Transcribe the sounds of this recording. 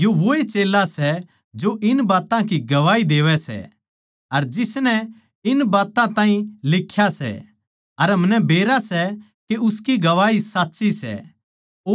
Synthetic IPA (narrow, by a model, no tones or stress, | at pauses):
joʋoːet͡ʃeːlːasɛ | d͡ʒoʔɪnbaːt̪ãkiɡɐʋaːid̪eːʋɛsɛ̰ | ɐɾd͡ʒɪsnɛ | ɪnbaːt̪ãt̪ãːĩlɪkʰːjasɛ̰ | ɐɾɦɐmnɛbeːɾasɛ | keʊskiɡɐʋaːisaːtːʃisɛ̰ː